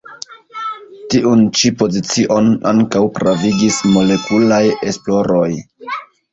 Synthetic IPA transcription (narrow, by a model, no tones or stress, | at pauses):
tiʔunt͡ʃipo̞zit͡siʔo̞naŋkawkɾaviɡismo̞le̞kulaje̞splo̞ɾo̞j